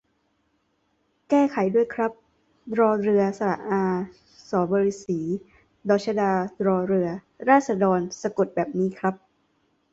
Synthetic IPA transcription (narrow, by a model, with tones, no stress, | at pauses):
kɛː˥˩kʰa˩˦jdu˥˩əjkʰɾa˦˥p̚ | ɾɔː˧ɾɯ˧ɐsa˧ɾa̰˨˩ʔʔaː˧ | sɔː˩˦bɔː˧ɾiː˧˥siː˩˦ | dɔː˨˩t͡ɕʰa˧daː˧ɾɔː˧ɾɯ˧ɐ | ɾaː˥˩t̪̚sa˧dɔː˧nsa˧ko˨˩t̪̚bɛː˨˩p̚niː˦˥kʰɾa˦˥p̚